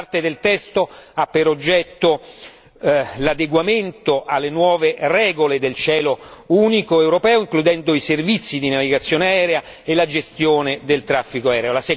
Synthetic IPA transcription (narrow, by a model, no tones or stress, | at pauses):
rt̪ed̪elt̪ɛst̪oapːeɾod͡ʒːɛt̪ːo | lad̪eɡwament̪oʔalːenwɔːverɛːɡoled̪elt͡ʃɛːlouːnikoewɾopɛːoiŋklud̪ɛnd̪oiservit̪sːid̪inaviɡat̪sːjoːneaɛːɾea | elad͡ʒest̪joːned̪elt̪ɾafːikoaɛːɾeolase